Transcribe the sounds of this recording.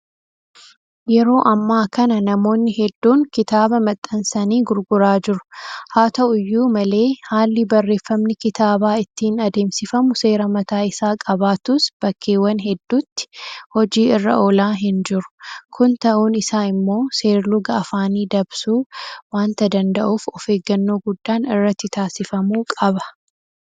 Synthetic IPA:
jɛɾo̞ːʔɐmːaːkɐnɐnɐmo̞ːnːɪhɛd̪ːuːŋkɪt̪aːbɐmɐt̪ʼːɐnsɐniːɡʊɾɡʊɾaːd͡ʒɪɾʊ̥haːt̪ɐʔʊjːuːmɐle̞ːhaːlːɪbɐrːe̞ːfːɐmnɪkɪt̪aːbaːɪt̪ːɪnɐd̪e̞ːmsɪfɐmʊse̞ːɾɐmɐt̪aːɪsaːkʼɐbaːt̪ʊsb̥ɐkʰːeːwɐnɦɛd̪ːuːt̪ːɪ̥hɔd͡ʒiːɪrːɐ̰ʔo̞ːlaːɦɪnd͡ʒɪɾʊ̥kʰʊnt̪ɐʔuːnɪsaːɪmːo̞ːse̞ːɾlʊɡɐːfaːniːd̪ɐbsuːwaːnt̪ɐd̪ɐnd̪ɐʔuːfɔfe̞ːɡːɐnːoːɡʊd̪ːaːnɪrːɐt̪ːɪt̪aːsɪfɐmuːkʼɐbɐ̥

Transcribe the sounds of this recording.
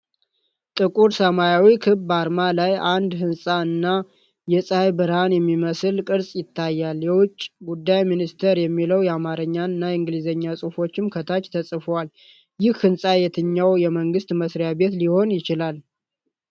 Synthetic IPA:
t̪ʼɨkʼuɾsəmajawikʰɨbbaɾmalajʔand̪ɦɨnsʼaɨnːa | jɛsʼajbɨɾhanjɛmːiməsɨlkʼɨɾsʼjɪt̪ʰːajːaljɛwʊt͡ʃʼːɡud̪ːajminist̪ʰeɾjɛmːiləwjɛamaɾəɲːaɨnːaɨŋɡɨlizəɲːasʼufo̞t͡ʃːɪmkʰət̪ʰat͡ʃt̪ʰəsʼɨfwal | jɪhhɨnsʼajɛt̪ʰɨɲːawjɛməŋɡɨst̪məsɾjabe̞t̪liho̞njɪt͡ʃɪlal

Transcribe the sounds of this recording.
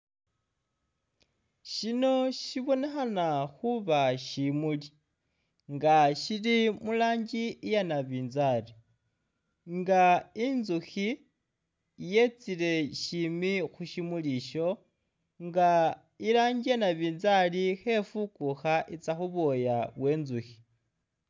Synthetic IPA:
ʃino̞ʃiβo̞ne̞xanaxuβaʃimuli | ŋɡaʃilimulaːɲɟiijanaβiːnzali | ŋɡainzuxi | je̞t͡sile̞ʃimixuʃimuliʃo̞ | ŋɡa | ilaːɲɟijanaβiːnzalixe̞fukuxaʔit͡saxuβo̞jaβwe̞ːnzuxi̥

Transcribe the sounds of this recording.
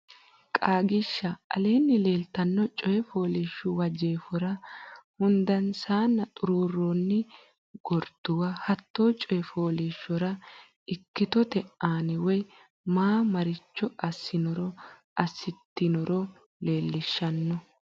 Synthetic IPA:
kʼaːɡɪʃːɐʔɐ̰leːnːɪle̞ːlt̪ɐnːɔt͡ʃʼɔjɛfoːlɪːʃːʊwɐd͡ʒe̞ːfɔɾɐhʊnd̪ɐnsaːnːɐt̪ʼʊɾuːrːoːnːɪ | ɡ̥ɔɾd̪̥ʊwahɐt̪ːoːt͡ʃʼɔjɛfoːliːʃːɔɾɐ | ʔɪkːɪt̪ɔt̪ɛʔaːnɪwɔj | maːmɐɾɪt͡ʃːɔʔɐsːɪnɔɾɔʔɐsːɪt̪ːɪnɔɾɔ | le̞ːlːɪʃːɐnːɔ

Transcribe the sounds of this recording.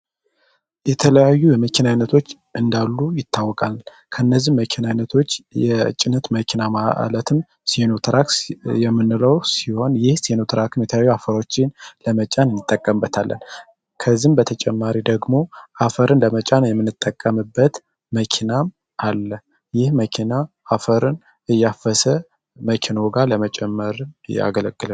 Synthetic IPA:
jɛt̪ʰələjajːujɛməkʰinanːət̪ʰo̞t͡ʃː | ʔɨnd̪alːujɪt̪ːawːɔkʼa | kʰəɨnːəzːiməkʰinanːət̪ʰo̞t͡ʃːjɛ̰t͡ʃʼːɪnət̪məkʰinamaʔlət̪ʰɨm | senot̪ʰɾakjɛmːɨnːɨləwsiho̞njɪhsenot̪ʰɨɾakʰɨmjɛt̪ʰəjajːuafəɾo̞t͡ʃːɪnləmət͡ʃʼanɨnːɨt̪ʼːəkʼːəmbːət̪ʰalːə̰n | kʰəzimbət̪ʰət͡ʃʼɛmːaɾid̪əɡmo̞ʔafəɾɨnləmət͡ʃʼanjɛmːɨnːɨt̪ʼːəkʼːəmɨbːət̪ | məkʰinam | ʔalːə | jɪhməkʰina | afəɾɨn | ɨjːafəsə | məkʰino̞ɡaləmət͡ʃʼɛmːəɾɨnɨja̰ɡələɡːɨlə

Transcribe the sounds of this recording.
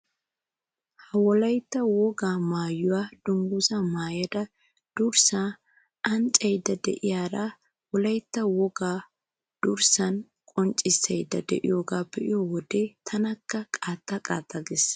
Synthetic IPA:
hɐwɔlɐjt̪ːɐwɔɡaːmaːjːʊwaːd̪̥ʊŋɡusɐmaːjɐd̪ɐ | d̪̥ʊɾsa | ʔɐnt͡ʃʼːɛjd̪ɐd̪ɛ̰ʔɪjaːɾa | wɔlɐjt̪ːɐwɔɡaː | d̪̥ʊɾsɐn | kʼɔnt͡ʃʼːɪsːɛjd̪ɐ̰d̪ɛ̰ʔɪ̰joːɡaːpːɛʔɪjɔwɔd̪et̪ʰɐnɐkːɐkʼaːt̪ʼːɐkʼaːt̪ːɐɡes

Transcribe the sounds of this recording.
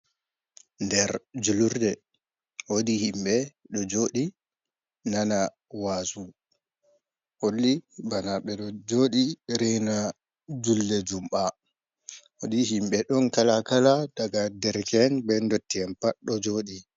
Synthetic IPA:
ndɛɾd͡ʒuluɾdɛ | wodihimɓɛɗɔd͡ʒoːɗi | nana | wasu | holːibanaɓɛɗɔd͡ʒoːɗiɾɛjna | d͡ʒulːɛd͡ʒumɓa | wodiɦimɓɛɗɔnkalakalad̥aɡadɛɾkɛnbɛndotːiɛnpaɗɔd͡ʒoːɗi

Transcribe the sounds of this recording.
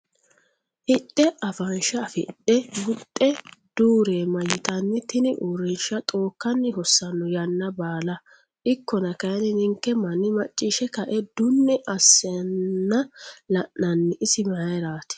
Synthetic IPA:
ʔɪtʼːɛʔɐfɐnʃɐfɪtːɛɡʊtʼːɛd̪̥uːɾeːmɐjɪt̪ɐnːɪt̪ɪnɪʔuɾɪnʃɐt̪ʼoːkːɐnːɪɦɔsːɐnːɔjɐnːɐbaːlɐ | ʔɪkːɔnɐkɐjɐnɪnɪŋkːɛmɐnːɪmɐt͡ʃʼːiʃɛkɐʔɛd̪ʊnːɛʔɐsːɛɐːɐlɐʔnɐnːɪʔɪsɪmɐɐjɾaːt̪ɪ̥

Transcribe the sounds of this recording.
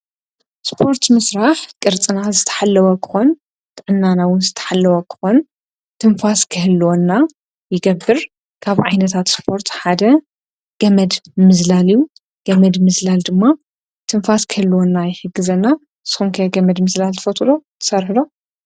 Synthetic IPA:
spʰo̞ɾt̪mɨsɾaħkʼɨɾt͡sʼɨnazɨt̪ʰɐ̥ħalːɐwɐkʰɨ̥xo̞n | t̪ʰɨʕɨnːanawʊnzɨt̪ʰɐ̥ħalːɐwɐkʰɨ̥xo̞n | t̪ʰɨnfaskʰɨhɨlːwonːa | jɪɡɐbːɨɾ | kʰaβʕajnɐt̪ʰat̪spʰo̞ɾt̪ħad̪ɐ | ɡ̥ɐmɐd̪mɨzlalijːu | ɡ̥ɐmɐd̪mɨzlald̪ɨmːa | t̪ʰɨnfaskʰɨhɨlːwonːajɪħɨɡːɨzɐnːa | sɨ̥xumkʰɐjɡɐmɐd̪mɨzlalt̪ʰɐ̥fɐt̪ʼlot̪ʰɨ̥sɐɾħɨlo

